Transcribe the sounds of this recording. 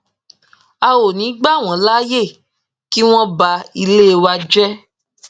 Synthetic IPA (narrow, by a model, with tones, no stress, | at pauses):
a˧wo˨nĩ˨˦ɡ͡ba˦˨w̃ɔ̃˨˦la˦je˦˨ | ki˦w̃ɔ̃˦ba˧i˧le˦˧wa˧d͡ʒɛ˦